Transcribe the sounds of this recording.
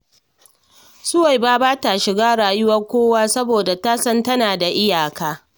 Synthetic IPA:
sʊ˦wa˨jbaː˦baː˦ta˨ʃɪ˨ɡaː˦ɽaː˨jʊ˦wɐ˦rkʷoː˦waː˦sɐ˦boː˨da˨ta˦sɐ˦ntɐ˦naː˨da˨ʔɪ˦jaː˨kaː˦

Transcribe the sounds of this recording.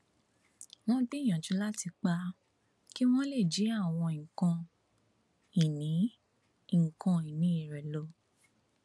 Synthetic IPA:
w̃ɔ̃˦bi˦˨j̃ã˨d͡ʒũ˨˦la˦ti˧k͡pa˧˦ | ki˦w̃ɔ̃˦le˦˨d͡ʒi˨˦a˦˨w̃ɔ̃˧ĩ˨kã˧ | i˨nĩ˨˦ | ŋ̩˨kã˧i˨nĩ˨˦i˨ɾɛ˨lo˨˧˦

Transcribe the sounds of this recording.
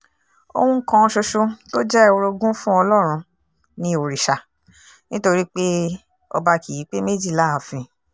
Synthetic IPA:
o̰˧wũ˧ŋ̩˦kã˧ʃo˧ʃo˧to˦d͡ʒɛ˦˨wo˧ɾo˧ɡũ˦fũ˦ɔ˧lɔ˦˨ɾ̃ũ˧ | nĩ˧o˨ɾi˨ʃa˨ | nĩ˦to˧ɾi˦k͡pe˦ | ɔ̰˧ba˧ki˨ji˨˦k͡pe˦me˦d͡ʒi˦˨la˦a˨fĩ˨˧

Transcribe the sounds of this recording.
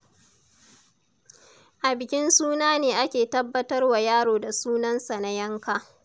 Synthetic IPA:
ʔa˨bɪ˨kʲɪ˦nsuː˦naː˦neː˨ʔa˦kʲeː˨tɐ˦bːɐ˦tɐ˦rwa˨jaː˦ɽoː˨da˨suː˦nɐ˦nsa˨na˦jɐ˦ŋkaː˦˨

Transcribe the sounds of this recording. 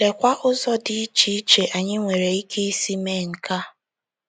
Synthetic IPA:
le˨kʷa˦ʔʊ˦zɔ˦di˨i˦t͡ʃi˦i˦t͡ʃe˨ʔa˨ɲɪ˦ŋʷe˨ɾe˨i˦kʰe˦i˦si˦me˦˨ŋ̩˨ka˦

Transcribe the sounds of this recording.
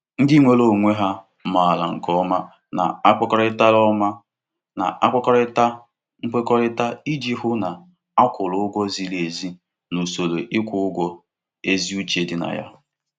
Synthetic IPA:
n̩˦di˦ŋʷe˦lo˨ŋʷe˦ɦa˦ | ma˨a˨la̰˨ŋ̩˨kɔ˦ma˦ | na̰˨a˦kɔ˦kɔ˦ɾɪ˦ta˦lɔ˦ma˦ | na̰˨ʔa˦kɔ˦kɔ˦ɾta˦ | ŋ͡m̩˦k͡pe˦kɔ˦ɾɪ˦ta˦i˦d͡ʒi˦ɦʊ˦na˨ | a˦kʷʊ˨lʊ˨˦ʊ˦ɡʷɔ˦zi˦le˨zi˦ | nu˨so˨lo˨ʔɪ˦kʷʊ˨˦ʊ˦ɡʷɔ˦ | e˦zi˦u˦t͡ʃe˨dɪ˦na̰˨ja̰˦

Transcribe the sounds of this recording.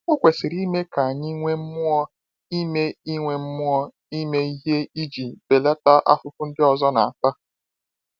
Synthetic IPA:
ʊ˦kʷe˨sɪ˨ɾi˦me˦ka˨a˨ɲi˦ŋʷe˦m̩˦mʊ˦ɔ˦ | i˦me˦i˦ŋʷe˨m̩˦mʊ˦ɔ˦ | i˦me˦i˦ɦe˦i˦d͡ʒi˨be˨le˦ta˦ʔa̰˦fʊ˨pʊ˦n̩˦dɪ˦ɔ˨zɔ˦na˨a˨ta˦

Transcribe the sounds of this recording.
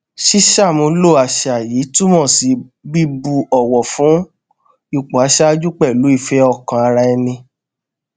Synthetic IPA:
ʃi˦ʃa˦˨mũ˧lo˦˨a˨ʃa˨jiː˨˦tu˦mɔ̃˦˨si˨˧ | ɡ͡bi˦bu˧ɔ˨wɔ˨fũ˨˦ | i˦˧˨k͡po˨a˨˦ʃa˦d͡ʒu˦k͡pɛ˦˨lu˨˦i˦˨fɛ˧˦ɔ˧˨kã˨a˧ɾa˧ɛ˧nĩ˧

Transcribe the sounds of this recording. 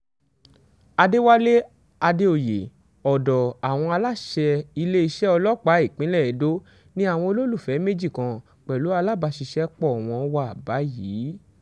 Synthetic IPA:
a˧de˦wa˦le˦ | a˧de˦o˦˨je˨ | ɔ˨dɔ˨a˨w̃ɔ̃˧a˧la˦ʃɛ˧i˧le˦i˧ʃɛ˦ɔ˧lɔ˦˨k͡pa˨˦i˦˨k͡pĩ˨˦lɛ˦˨ɛ˨do˦ | nĩ˦a˦˨w̃ɔ̃˧o˧lo˦lu˦˨fɛ˨˦me˦d͡ʒi˦˨kã˧ | k͡pɛ˨lu˨˦a˧la˦ba˧ʃi˧ʃɛ˦k͡pɔ˦˨w̃ɔ̃˧wa˧˦a˨ba˨˦jiː˨˦

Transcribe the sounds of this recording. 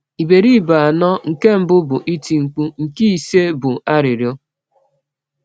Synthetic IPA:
i˨be˨ɾi˦˨ba˨a˨nɔ˦ŋ̩˨ke˦m̩˨bʊ˦bʊ˨ʔi˦ti˨ŋ͡m̩˨k͡pu˦ŋ̩˨ki˦i˨se˦bʊ˨a˦ɾɪ˨ɾjo˦

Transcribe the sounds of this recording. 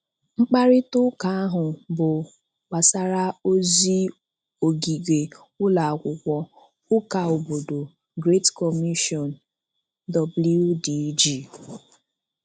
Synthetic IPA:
ŋ͡m̩˦k͡pa˦ɾɪ˦tʊ˦ka˨˦a˦ɦʊ˨bʊ˨ | k͡pa˨sa˦ɾa˦o˦zi˦ | o˨ɡi˨ɡe˨ | ʊ˦la˨a˨kʷʊ˨kʷɔ˦ | ʊ˦ka˨o˨bo˨do˨ | ɡɾe˦tkɔ˨mi˦ʃɔ˨n | dɔ˨blu˦di˦d͡ʒi˦˨

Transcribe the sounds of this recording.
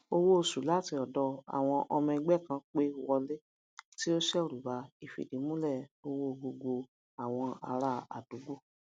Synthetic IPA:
o˧wo˦˨su˨la˦˨ti˧ɔ˨dɔ˧a̰˨w̃ɔ̃˧ʔɔ˧mĩ˧ɡ͡bɛ˦˨kã˧k͡pe˦˨˦wɔ˧le˦ | ti˦o˦ʃɛ˦o˨ɾu˨ba˨˧i˨fḭ˨di˨˦mũ˦lɛ˦˨o˧wo˦˨ɡo˧ɡo˧ | a˨w̃ɔ̃˧a̰˧ɾa˧a̰˨d̥u˨˦ɡo˦˨

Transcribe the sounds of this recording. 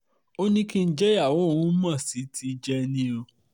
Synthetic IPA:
o˦nĩ˦ki˦n̩˦d͡ʒɛ˦ja˦˨wo˨˦˨wũ˦mã˦˨si˨˦ti˧˦d͡ʒɛ˦˧nĩ˦o˧

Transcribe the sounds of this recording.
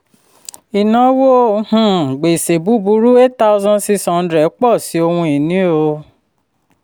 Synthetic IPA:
i˨nã˨˦wo˦hũ˦˨ɡ͡be˨se˨bu˨˦bu˧˦ɾu˦e˦ta˦o˧zɔ̃˧n˦si˧˦sɔ̃˨n̩˦dɾɛ˨˦k͡pɔ˦˨si˨˦o˧hũ˧i˨nĩ˨˦o˧

